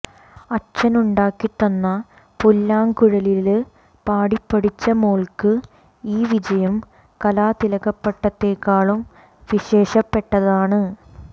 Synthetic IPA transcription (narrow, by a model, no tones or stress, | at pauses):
ɐt͡ɕɐnuɳɖaːkːiʈːonːɐ | pulːaːŋkuɻɐlil | paːɽipːɐɽit͡ɕːɐmoːɭkɨ | iːʋid͡ʑɐjɐm | kɐlaːt̪ilɐɣɐpːeʈːɐt̪ːe̞ːkːaːɭum | ʋiɕe̞ːɕɐpːe̞ʈːɐðaːɳɨ